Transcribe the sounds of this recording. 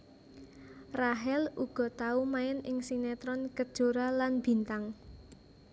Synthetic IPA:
raɦɛluɡ̥ɔ̤t̪aumaɪnɪŋsinɛt̪ɾɔnkəd̥ʒ̥o̤ɾalanb̥i̤nt̪aŋ

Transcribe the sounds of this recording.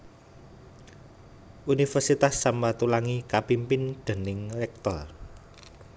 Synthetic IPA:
ʔunifɛrsit̪asːamat̪ulaŋikapimpɪnd̪̥e̤nɪŋrɛk̚t̪ɔr

